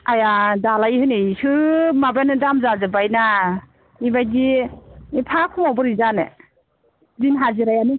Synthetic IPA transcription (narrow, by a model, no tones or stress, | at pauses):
ajadalajhɯjnɯsɯmabanɯdamzazɯbajna | ibajdiipʰakʰɔmɔbɯɾizane | zinɦaziɾajanɯ